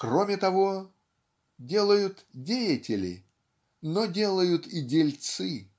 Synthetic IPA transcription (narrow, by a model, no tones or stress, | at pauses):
kro̞mʲɪt̪ɐvo̞ | dʲe̞lˠəjʊt̪dʲejətʲɪlʲɪ̰ | nodʲe̞lˠəjʊt̪idʲɪlʲt̪sɨ